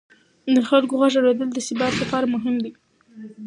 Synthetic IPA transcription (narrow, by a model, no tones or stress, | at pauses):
d̪əxalkoɣaʒawɾed̪əld̪əsɪbɑɾsafɑɾmʊɦɪmd̪i